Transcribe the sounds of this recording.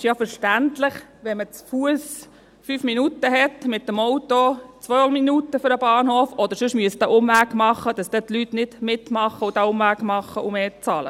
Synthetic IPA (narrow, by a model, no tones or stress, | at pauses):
ɪʃjafəɾʃtæntlɪχʋɛmət͡sfuəs | fyːfminutəɦɛtmɪt̪ːəmɔwtot͡sʋœminutəfʏɾəb̥ɑːnhoːfɔd̪əɾsʏʃmyəsd̥̪æʔʊmʋæːkmɑχːəd̥ɑsd̥̪ɛt̪lyt̪nɪd̥mɪt̪mɑχəʊd̥æʊmʋæːkmɑχːəʔumeːt͡sɑːlə̰